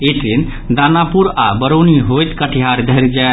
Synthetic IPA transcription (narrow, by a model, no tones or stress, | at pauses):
eʈ̪ɾin | d̪anapuɾabəɾoniɦojt̪kəʈʰiɦaɾd̪ʱəɾd͡ʒa